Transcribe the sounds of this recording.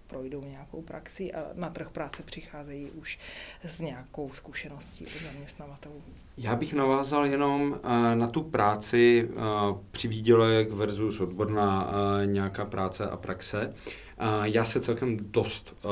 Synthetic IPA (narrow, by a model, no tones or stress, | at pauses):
pɾojdowɲɛakowpɾa̰ksiʔa̰nat̪r̩xpɾaːt͡sɛpr̝̥ɪxaːzɛjiːʔuʃzɲɛako̞wskuʃɛnoscḭːʔuzamɲɛst̪navat̪ɛlu | jaːbɪxnavaːzaljɛno̞mnat̪upɾaːt͡sɪ | pr̝̥ɪviːɟɛlɛkvɛɾzusʔod̪boɾnaːɲɛjakaːpɾʔaːt͡sɛʔa̰pɾʔaksɛ | jaːsɛt͡sɛlkɛmdo̞st̪